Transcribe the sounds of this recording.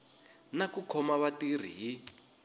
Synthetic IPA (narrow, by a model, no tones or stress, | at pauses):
nakukʰɔmaβatir̤ḭɦi